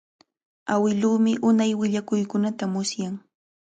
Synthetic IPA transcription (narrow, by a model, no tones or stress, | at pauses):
awɪluːmɪʔʊnajwɪʎakʊjkʊnat̪amʊsjaŋ